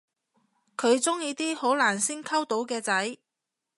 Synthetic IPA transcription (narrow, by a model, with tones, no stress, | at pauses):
kʰɵ˨˧ɥt͡sʊ˥ŋjiː˧t̪iː˥ho˨˥wlaː˨˩nsɪ˥ŋkʰɐ˥wt̪o˨˥wkɛː˧t͡sɐ˨˥j